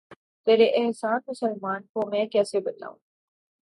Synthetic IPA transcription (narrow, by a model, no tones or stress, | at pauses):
t̪eːɾeʔɪɦsaːnmʊsəlmaːnkomɛ̃ːkɛːsebɐt̪a̰ːṵ̃ː